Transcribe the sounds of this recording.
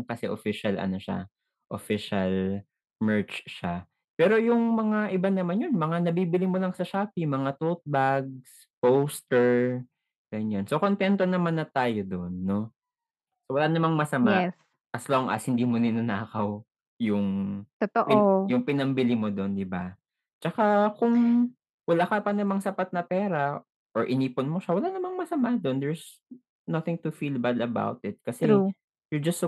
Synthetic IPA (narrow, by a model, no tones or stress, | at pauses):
kɐsɛʔofɪʃɐlɐ̰no̞ʃa̰ | ʔofɪʃɐl | mɛɹt͡ʃʃa | pɛːɾo̞jʊŋmɐŋaʔɪbanɐmanjonmɐŋanɐbiːbɪlɪmolɐŋsɐʃaːpimɐŋat̪ot̪̚baɡ̚s | powst̪ɛɹ | ɡ̥ɐɲjansokont̪ɛnt̪o̞nɐmanːɐt̪aːjod̪onːo̞ | sowɐlaːnɐmaŋmɐsɐma | ʔɐsloŋʔɐ̰shɪnd̪iːmonɪnʊnaːkɐw | jʊŋt̪ot̪oʔjʊŋpɪnɐmbɪlɪmod̪ond̪ɪba | t͡ʃɐkakʊŋ | wɐlaːkɐpɐnɐmaŋsɐpat̪̚nɐpɛːɾɐ | ʔɔɹʔɪniːponmoʃawɐlaːnɐmaŋmɐsɐmad̪ond̪ɛɹs | nɐθɪŋt̪ʊfilbɐlɐba̰wt̪ɪt̪̚kɐsɛu | jʊd͡ʒɐs